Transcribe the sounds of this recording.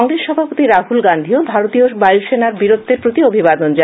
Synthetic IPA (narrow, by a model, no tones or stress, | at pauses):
ŋɾesʃɔbʱapot̪iɾaɦulɡand̪ʱiobʱaɾot̪iobajlʃenaɾbiɾod̪ʱːeɾpɾot̪iobʱibad̪ond͡ʑa